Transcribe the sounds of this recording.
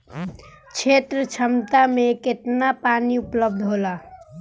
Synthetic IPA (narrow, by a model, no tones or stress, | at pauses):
t͡ʃʰet̪ɾət͡ʃʰəmt̪ameket̪napaniupləb̚d̪ʱɦola